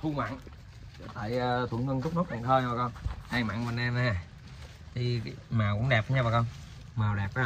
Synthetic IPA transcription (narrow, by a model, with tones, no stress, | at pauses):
t̪ʰu˧ŋma̰ː˧˨ŋ˨˩ | t̪a̰ː˧˨jəː˧t̪ʰu˨˧˩əŋə˧ŋt̪ʰʊ˦˥k͡p̚no˦˥t̚ɓa̰ː˨˩ŋt̪ʰəː˧jaː˨˩kɔ˧nʔaː˧ŋma̰˧˨ŋvə˧˩nɛ˧ma˧a˨˩ | t̪ʰi˨˩maː˨˩wkʊ̰˧˥ŋ͡mɗɛ˨˩p̚ːə˨˦ɲa˧vaː˨˩kɔ˧n | maː˨˩wɗɛ˨˩p̚ː